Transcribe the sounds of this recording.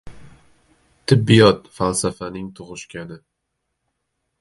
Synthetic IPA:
t̪ʰɪbːijɒt̪falsafanɪŋt̪ʰʊʁɨʃkʲʰanɪ

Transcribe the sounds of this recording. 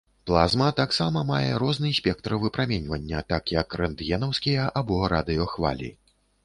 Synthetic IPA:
plˠazmɐt̪aksamɐmajɛɾɔznɨsʲpʲɛkt̪ɾɐvɨpɾamʲɛnʲvɐnʲːɐt̪akjɐkrɐnd̪jɛnɐwskʲijɐʔabɔɾad̪ɨjɔxva̰lʲḭ

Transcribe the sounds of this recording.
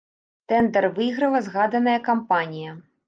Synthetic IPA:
t̪ɛnd̪ɛrvɨɣɾɐlˠɐzɣad̪ɐnɐjɐkampanʲijɐ

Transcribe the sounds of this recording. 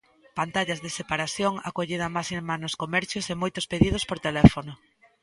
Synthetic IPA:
pant̪aʎazðesepaɾaθjoŋa̰koʎeðamasemanoskomɛɾθjosemojt̪ʊspeðið̞ospoɾt̪elɛfono

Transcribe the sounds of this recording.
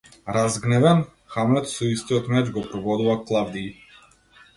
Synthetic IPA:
ɾazɡnɛvɛn | xamlɛt̪sɔist̪iɔt̪mɛd͡ʒɡɔpɾɔvɔd̪uvaklˠavd̪iː

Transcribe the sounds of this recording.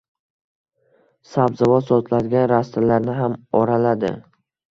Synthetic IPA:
sabzavɒsɒt̪ʰlad̪ɪɡʲanɾast̪ɪlaɾnɪɦamɒɾalad̪ɪ̰

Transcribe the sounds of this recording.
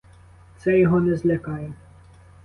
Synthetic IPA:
t̪sɛjɔɦɔnɛzlʲɐkɑjɛ

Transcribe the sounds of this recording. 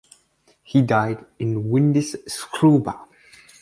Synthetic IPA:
hidaɪdɪ̃nwɪ̃ndiz̥skʰɹubə

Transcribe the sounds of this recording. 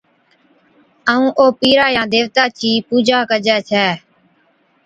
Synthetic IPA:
əũːʔoːpiːɾaːjãːd̪eːʋt̪aːt͡ʃʰiːpuːd͡ʒʱaːkəd͡ʒɛːt͡ʃʰɛː

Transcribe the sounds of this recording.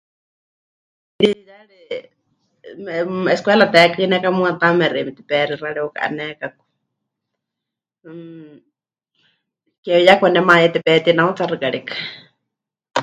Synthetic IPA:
lijaɺɛ | ɛskwɛlat̪ɛkanɛkamuat̪amɛrimit̪i̥pɛriraɺɛɔkaʔa̰nɛkaku̥ | kɛjakʷanɛmajɛt̪ɛpɛt̪inaut͡sarɨkaɺikḁ

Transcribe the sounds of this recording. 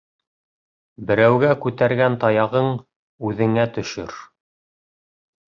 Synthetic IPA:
bɘ̆ɾæwɡækʉt̪æɾɡænt̪ɑjɑʁɤɴ | ʉðɘ̆ŋæt̪ɵ̆ʃɵ̰ɾ

